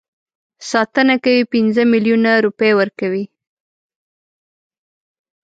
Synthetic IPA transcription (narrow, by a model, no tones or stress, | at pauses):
sɑt̪ənakawipinzəmiljunaɾupəjwəɾkawi